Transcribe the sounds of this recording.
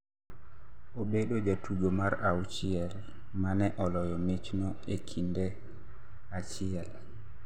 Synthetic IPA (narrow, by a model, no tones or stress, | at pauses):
ʔɔɓɛɗɔd͡ʒatud͡ʒɔmaɾawt͡ʃijɛl | manɛʔɔlɔjɔmet͡ʃnɔ | ekʰindɛ | at͡ʃijal